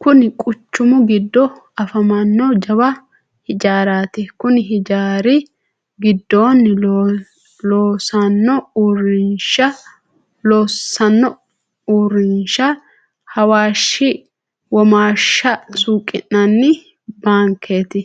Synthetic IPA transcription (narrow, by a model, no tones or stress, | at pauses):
kʊnɪkʼʊt͡ʃːʊmʊɡɪd̪ːɔ | ɐfɐmɐnːɔd͡ʒɐbɐ | hɪd͡ʒaːɾaːt̪ɪkʊnɪɦɪd͡ʒaːɾɪ | ɡɪd̪ːoːn | loːsɐnːɔuːɾɪnʃɐ | loːsɐnːɔ | uːɾɪnʃɐ | hɐwaːʃːɪ | wɔmaːʃːɐsuːkʼːɪ̰nːɐnːɪ | baːŋkʰːeːt̪ɪ